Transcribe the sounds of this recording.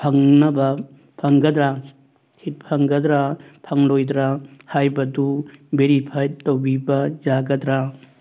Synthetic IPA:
pʰɐŋnɐbɐ | pʰɐŋɡɐd̪ɾa | hit̚pʰɐŋɡɐd̪ɾapʰɐŋlojd̪ɾahajbɐdubeɾipʰajttːɐwbibɐd͡ʒaɡɐd̪ɾa

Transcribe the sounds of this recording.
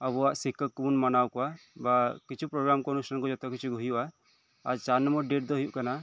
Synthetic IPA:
abɔaʔsikːəkunmanawkɔwabakit͡ʃʰupɾɔɡɾamkɔnusankɔd͡ʒɔt̪ɔkit͡ʃʰuɡʱuɦijuʔaː | ɾt͡ʃaɾnɔmbɔɾɖeʈ̚d̪ɔɦujuʔkana

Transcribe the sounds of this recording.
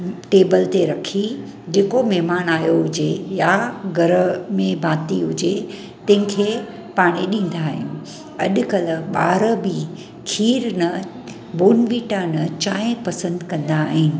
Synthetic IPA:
ʈeːbəlt̪eɾɐkʰi | d͡ʑeːkomɛɦmaːnaːjoɦʊd͡ʑejaɡʱɐɾəmẽbʱaːt̪iɦʊd͡ʑe | t̪ɐ̃ɦɪ̃kʰeː | paːɽ̃eɗĩːn̆d̪aːɦɪjũ | ɐɗʊ̆kɐləɓaːɾəbi | kʰiːɾnɐ | boːnʋiːʈanɐt͡ɕaːɦɪ̃pɐsə̃nd̪kɐ̃nd̪aːɦɪnɪ̆

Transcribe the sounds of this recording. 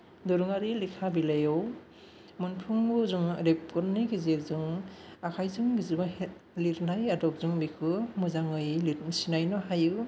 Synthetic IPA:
dɔɾuŋaɾilikʰabilajɯw | munpʰuŋbuzuŋɾep̚kɔɾniɡizeɾzuŋakʰajzuŋbiziba | liɾnajadɔk̚zuŋbikʰɯmuzaŋɯjlit̚misinajnɔɦajɯ

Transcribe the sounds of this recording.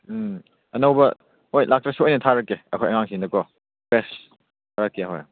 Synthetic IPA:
ɐnowbɐ | ojlak̚tɾɐsuojnɐtʰaɾɐkːeɐkʰojɐŋaŋsʰindɐkɔ | besʰ | aɾɐkːiaɦo̰j

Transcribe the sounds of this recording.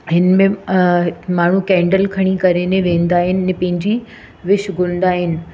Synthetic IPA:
ɦɪnmẽ | maːɳ̤ũkɛ̃ːɳɖəlkʰɐɽ̃ikɐɾenẽʋẽːnd̪aːɦɪnɪnẽpɐ̃ɦɪ̃ɲd͡ʑi | ʋɪʃɡʱʊnɪ̃n̆d̪aːɦɪnɪ̆

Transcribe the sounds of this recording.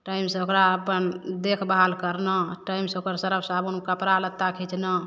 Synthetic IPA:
ʈaimsəokɾaəpənd̪ekʰbaɦalkəɾnəʈaimsokəɾsəɾəbsabunkəpɾalət̪ːakʰit͡ʃnə

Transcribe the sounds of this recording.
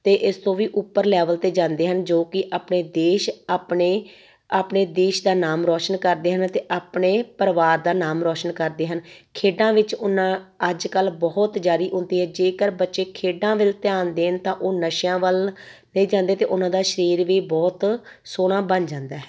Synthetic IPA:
t̪eːʔɪst̪õːʋiːʔʊpːəɾlɛːʋəlt̪eːd͡ʒãːnd̪eːɦənd͡ʒoːkɪʔaːpɳeːd̪eːʃpɳeː | aːpɳeːd̪eːʃd̪aːnaːmɾɔːʃənkəɾd̪eːɦənt̪eːʔaːpɳeːpəɾʋaːɾd̪aːnaːmɾɔːʃənkəɾd̪eːɦənkʰeːɖãːʋɪt͡ʃʊnãːəd͡ʒkəlbɔːt̪d͡ʒaːɾiːʔʊnd̪iːɦɛ̃ːd͡ʒeːkəɾbətːʃeːkʰeːɖãːʋɪlt̪ɪjaːnd̪eːɦənt̪ãːʔoːnəʃjãːʋəlnəĩːd͡ʒãːnd̪eːt̪eːʔʊnãːd̪aːʃəɾiːɾʋiːbɔːt̪soːɽ̃ãːbənd͡ʒãːnd̪aːɦɛː

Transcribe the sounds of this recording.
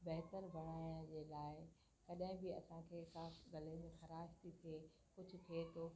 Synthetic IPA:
bɛɦt̪əɾbʱɐɽ̃aːjə̃d͡ʑeːlaːɪ | kɐɗɦɪ̃bɪɐ̰sãkʰeːkãɡɐlemẽxɐɾaːʃt̪it̪ʰie | kʊd͡ʑʱʊ̆t̪ʰiet̪ʰoː

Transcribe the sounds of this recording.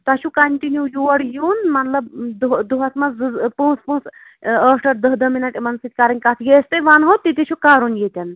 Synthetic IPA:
t̪ɐt͡ʃʰukɐɳʈinjujuɐɽjuːnmɐt̪lɐbd̪ud̪uɦɐsmɐzɨpũːspũːs | əʈɐɾd̪əɦd̪ɐminɐʈimɐnsit̪̚ʲkaːɾɐnʲkat̪ʰjest̪ɐʋanɦot̪ːit̪it͡ʃʰukaːɾunjet̪ʲɐn

